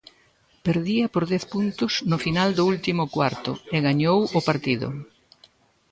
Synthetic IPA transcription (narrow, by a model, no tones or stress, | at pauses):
peɾðiɐpoɾðɛθpunt̪ʊsnʊfinald̪ʊult̪imʊkwaɾt̪ʊ̰ɪɣaɲowʊpaɾt̪iðʊ̰